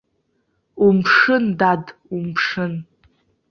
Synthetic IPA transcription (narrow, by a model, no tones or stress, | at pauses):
umpʰʂɨndadumpʰʂɨn